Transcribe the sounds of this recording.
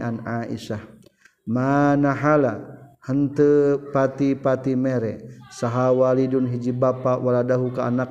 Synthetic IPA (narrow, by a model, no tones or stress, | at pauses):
anaʔḭʃah | manaɦalahənt̪əpat̪ipat̪imɛɾɛsaɦawalidunɦid͡ʒibapawaladaɦukaanak̚